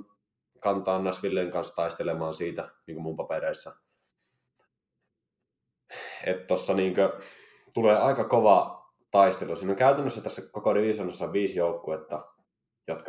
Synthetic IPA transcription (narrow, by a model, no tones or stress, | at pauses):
kɑnt̪ɑːnːæsʋilːeˑiŋkɑnst̪ɑˑist̪elemɑːnsiːt̪æniːŋkømumpɑpeɾeˑisːɑ | et̪t̪osːɑniːŋkø | t̪uleːɑˑikɑkoʋɑ | t̪ɑist̪elusiːnoŋkæˑyt̪ænːøsːæt̪æsːækokoneʋiːsɑnːɑsːɑʋiːsjoˑukːuet̪ːɑ | jot̪k